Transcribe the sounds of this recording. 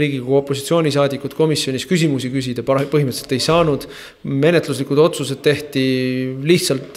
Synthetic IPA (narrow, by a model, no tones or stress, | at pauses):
iːɡikuo̞pːˑo̞si̥t̪sio̞ːnʲis̬ɑːd̪ikːˑud̪̥ko̞misjo̞nʲiskys̬ʲimusikys̬ʲid̪̥ɑpɤɦimət̪ːselt̪ːˑe̞jsɑːnud̪̥ | me̞ne̞t̪luslikud̪o̞t̪sus̬e̞d̪̥̚t̪e̞ht̪iliht̪sɑlt̪ˑ